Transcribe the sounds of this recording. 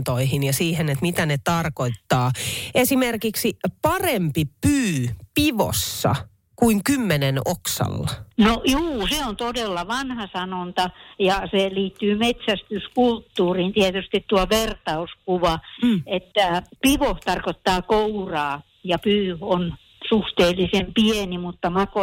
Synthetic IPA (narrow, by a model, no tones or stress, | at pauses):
t̪oihinjɑsiːhenet̪mit̪ænet̪ɑrkoit̪t̪ːɑːesimerkiksipɑrempipyːpiʋo̰sːɑ̰ | kuiŋkymːenenoksɑ̰lːɑnoʔjuːseont̪odelːɑʋɑnhɑsɑnont̪ɑjɑseliːt̪ːyːmet̪sæst̪yskult̪ːuːriːnt̪iɛt̪yst̪it̪t̪uɑʋert̪ɑuskuʋɑet̪ːæpiʋoht̪ɑrkot̪ːɑːkourɑː | jɑpyːon | suht̪eːlːisempienimut̪ːɑmɑko